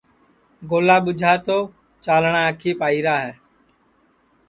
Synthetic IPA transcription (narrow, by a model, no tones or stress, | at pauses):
ɡoːlaːɓʊd͡ʒʱaːt̪oː | t͡ʃaːlɳãːəkʰiːpaːiːɾaːɦɛː